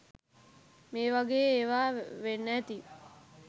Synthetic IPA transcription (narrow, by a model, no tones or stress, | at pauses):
meːʋaɡeːeːʋaːʋenːæt̪i